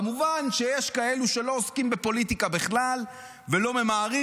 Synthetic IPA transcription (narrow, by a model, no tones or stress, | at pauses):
muvanʃe̞jeʃkae̞luʃe̞lo̞oskimbe̞po̞lit̪ikabeχlal | velo̞me̞maːʁi